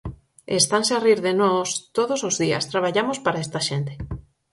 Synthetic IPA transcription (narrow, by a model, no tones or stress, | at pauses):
est̪ansariɾðenɔst̪oðosozðiɐ̰st̪ɾaβaʎamospaɾaest̪aʃent̪e̥